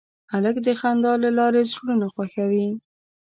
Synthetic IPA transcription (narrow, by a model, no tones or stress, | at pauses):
aləkd̪əxand̪ɑlalɑɾezɽunaxwaxawi